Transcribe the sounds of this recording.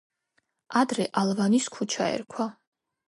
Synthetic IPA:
ʔad̪ɾɛʔalˠvaniskʰut͡ʃʰaɛ̰ɾkʰwa

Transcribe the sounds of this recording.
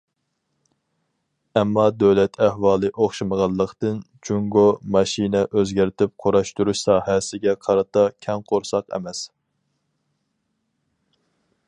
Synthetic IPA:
ɛmːɑd̪øwlɛt̪ʰæhwɑːlˠɨʔoχʃɨməʁɑlˠːəqt̪ɨn | t͡ʃʰuŋɡomɑʃinɛʔøzɡʲæɾt̪ʰɪp̚qʰoɾɑʃt̪uɾuʃsɑːɦɛsɪɡʲɛqʰɑɾɑt̪ʰɑkʲʰɛŋqʰoɾsɑqɛ̰mɛs

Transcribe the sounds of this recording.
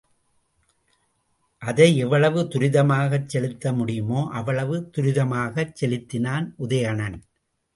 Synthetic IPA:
ʔɐðɐɪɛʋːɐɭɐʋɯt̪ʊɾɪðɐmaːɣɐt͡ʃsɛlɪt̪ːɐmʊɽɪjɯmoːʔɐʋɐɭɐʋɯt̪ʊɾɪðɐmaːɣɐt͡ʃːɛlɪt̪ːɪnaːnʔʊðɐjɐɳɐn

